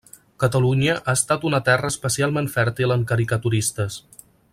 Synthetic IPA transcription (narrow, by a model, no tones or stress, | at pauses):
kət̪əluɲəʔaəst̪at̪unət̪ɛrəspəsialˠmenfɛɾt̪iləŋkəɾikət̪uɾist̪əs